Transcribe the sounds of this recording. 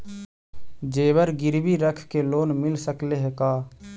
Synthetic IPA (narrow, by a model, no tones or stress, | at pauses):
d͡ʒeːwəɾɡɪɾbiɾəkʰkeloːnmɪlsəkleɦɛkaː